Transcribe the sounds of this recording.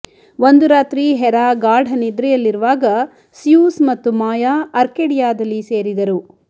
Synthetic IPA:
ʋond̪uɾaːt̪ɾiɦɛɾaːɡaːɖɐnid̪ɾɛjɐlːiɾuʋaːɡɐ | sjuːsmɐt̪ːumaːjaːɐɾkeːɽijaːd̪ɐlːiseːɾid̪ɐɾu

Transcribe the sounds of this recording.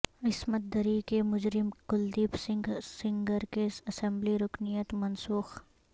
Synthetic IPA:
ɪsmət̪̚d̪əɾikemʊd͡ʒɾɪmkʊld̪iːbsɪ̃ŋɡsɪ̃ŋɡəɾkesɐsɛ̃mbliɾʊknijət̪mɐnsuːx

